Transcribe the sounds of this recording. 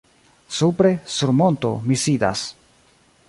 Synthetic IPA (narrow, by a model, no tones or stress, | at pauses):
supɾe̞suɾmo̞nto̞misida̰s